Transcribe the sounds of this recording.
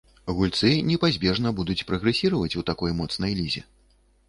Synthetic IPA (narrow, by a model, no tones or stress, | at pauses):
ɣulʲt̪sɨnʲɛpazʲbʲɛʐn̪ɐbud̪ut͡sʲpɾɐɣɾɛsʲiɾɐvɐt͡sʲut̪akɔjmɔt̪snɐjlʲizʲɛ̰